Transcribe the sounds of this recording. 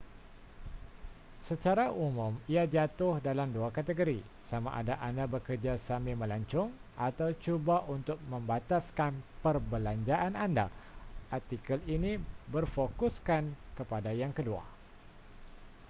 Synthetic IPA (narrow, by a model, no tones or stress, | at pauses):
sət͡ʃaɾaʔumʊ̃miad͡ʒat̪ʊhdalamduakat̪əɡoɾi | sama̰ʔadaʔandabəkərd͡ʒasamɪmə̃laɲt͡ʃʊŋʔat̪awt͡ʃubaʔunt̪ʊk̚mə̃mbat̪askanpərbəlaɲd͡ʒaʔananda̰ʔart̪ikəlinĩbərfokʊskankəpadajaŋkədua̰